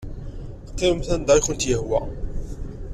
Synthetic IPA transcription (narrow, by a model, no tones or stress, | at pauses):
qːeəmθænd̪æjxənt̪jəhwæ